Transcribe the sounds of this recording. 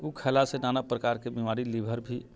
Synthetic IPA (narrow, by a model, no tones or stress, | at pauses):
ukʰɛlasenanapɾəkaɾkebimaɾilibʱəɾbʱi